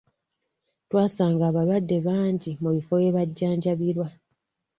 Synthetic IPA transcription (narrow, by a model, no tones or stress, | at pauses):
twaːsaːŋɡaːβaβadːe̞βaːɲɟimuβifo̞je̞βaɟːaːɲɟaβiɾwa